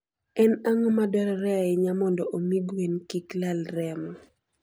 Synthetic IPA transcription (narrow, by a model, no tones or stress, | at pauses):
ɛnaŋɔmadɔɾɔɾɛaɛɲamɔndɔʔomiɡwenkiklalɾɛmɔ